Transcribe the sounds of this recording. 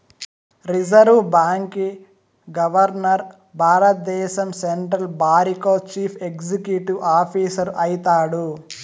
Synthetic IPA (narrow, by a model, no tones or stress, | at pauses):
ɾid͡ʒɐɾʋbaːŋki | ɡɐʋɐɾnɐɾ | bʱaːɾɐt̪̚d̪ɛːʃɐmseɳʈɾɐlbʱaːɾikoːt͡ʃiːpʰekd͡ʒikjuʈiʋʔaːpʰiːsɐɾʔɐjit̪aːɽu